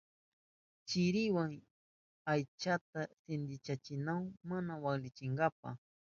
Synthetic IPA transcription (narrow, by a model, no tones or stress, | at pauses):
t͡ʃɪɾɪwaŋ | ajt͡ʃat̪asɪnd̪ɪt͡ʃat͡ʃɪnawmanawaklɪt͡ʃɪŋɡapa̰